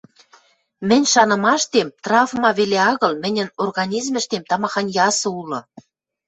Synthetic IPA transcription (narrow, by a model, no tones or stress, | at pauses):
mɘ̆nʲʃɑnɤ̆mɑʃt̪emt̪rɑvmɑβeleɑɣɤ̆lmɘ̆nʲɘ̆norɣɑnʲizmɘ̆ʃt̪emt̪ɑmɑxɑnjɑsɤ̆ulɤ̆